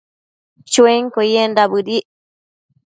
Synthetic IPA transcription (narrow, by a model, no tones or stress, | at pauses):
t͡ʃueŋkojendaβɨɾiʔ